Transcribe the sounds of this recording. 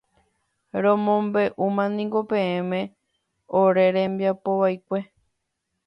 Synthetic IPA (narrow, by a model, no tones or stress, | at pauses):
ɾõmõmbe̞ʔumãnĩŋɡo̞pẽ̞ẽmẽ̞ | oɾe̞ɾẽmbiapoʋajkʷe̞